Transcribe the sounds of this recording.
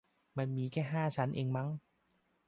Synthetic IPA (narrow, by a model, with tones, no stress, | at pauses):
ma˧nmiː˧kɛː˥˩ɦaː˥˩t͡ɕʰa˦˥nʔeː˧ŋma˦˥ŋ